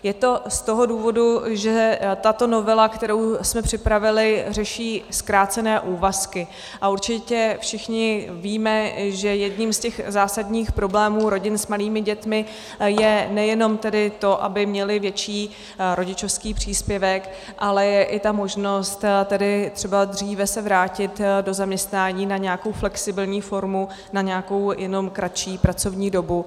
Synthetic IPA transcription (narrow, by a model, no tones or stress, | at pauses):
jɛt̪o̞st̪o̞ɦo̞duːvo̞duʒɛt̪at̪o̞no̞vɛlakt̪ɛɾowsmɛpr̥ɪpɾavɪlɪrɛʃiːskɾaːt͡sɛnɛːʔuːvaskɪ | ʔauɾt͡ʃɪcɛfʃɪxɲɪviːmɛʒɛjɛdɲimscɛxzaːsadɲiːxpɾo̞blɛːmuːɾo̞ɟɪnsmaliːmɪɟɛt̪mɪ | jɛnɛjɛno̞mt̪ɛdɪt̪o̞ʔa̰bɪmɲɛlɪvjɛt͡ʃiː | ɾo̞ɟɪt͡ʃofskiːpr̝̥iːspjɛvɛk | ʔalɛjɛʔɪt̪amo̞ʒno̞st̪t̪ɛdɪt̪r̥ɛbad̪r̝iːvɛsɛvɾaːcɪt̪do̞zamɲɛst̪naːɲiːnaɲɛako̞wflɛksɪbɪlɲiːfo̞ɾmu | naɲɛako̞wjɛno̞mkɾat͡ʃiːpɾat͡so̞vɲiːdo̞bu